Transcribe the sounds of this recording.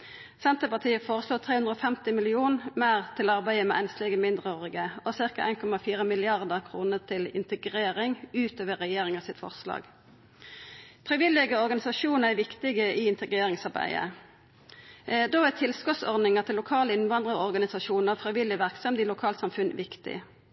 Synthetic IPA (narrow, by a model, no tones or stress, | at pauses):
sɛnt̪əpɑt̪ʰiːəfoːʁəsloːt̪ʰʁeːʉnd̪ʁəɔːfɛmt̪ɪmɪlɪuːnmæːʁt̪ʰɪlɑʁbæɪəmɛ̰ʔɛnslɛɡəmɪnd̪ʁəɔʁɪɡəɔsɪʁkɑʔæ̰ɪnkʰɔmɑfiːʁəmɪlɪɑʁd̪əʁkʰʁuːnət̪ʰɪlɪ̰nt̪əɡʁeːʁɪŋʉːt̪øːʋəʁɛjeːʁɪŋɑsɪt̪fɔ̰ʁslɑ̰ːɡ | fʁɪʋɪlːɪɡəɔʁɡɑnɪsɑʃuːnəʁæʋɪkt̪ɪɡəʔiɪnt̪əɡʁeːʁɪŋsɑʁbæ̰ɪə̰ | d̪oːæt̪ʰɪlskɔt̪sɔʁd̪nɪŋət̪ʰɪlːʊkʰɑːləɪnʋɑnd̪ʁəɔʁɡɑnɪsɑʃuːnəfʁɪʋɪlɪʋæʁksɔmd̪ilʊkʰɑːlt̪sɑmfʉnʋɪkt̪ɪ̰